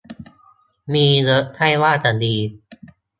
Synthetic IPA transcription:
miː˧lɤ˦˥ʔt̪ʰa˥˩jwaː˥˩t̪a˨˩diː˧

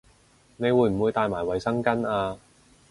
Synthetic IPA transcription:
ne˨˧jwuː˨˧jm̩˨˩wuː˨˧jt̪aː˧jmaː˨˩jwɐ˨jsɐ˥ŋkɐ˥naː˧

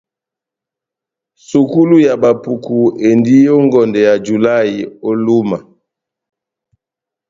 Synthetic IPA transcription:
su˨ku˦lu˦ja˨ba˨pu˨ku˨e˨ndi˦o˦ŋɡɔ˨ndɛ˨ja˨d͡ʒu˨la˦i˨o˦lu˦ma˨

